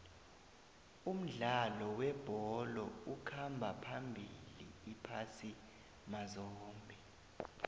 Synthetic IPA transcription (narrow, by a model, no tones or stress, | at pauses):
um̩ɮalɔwɛb̥ʱɔlɔukʰambʱapʰambʱiliːpʰasi | mazɔːmbʱɛ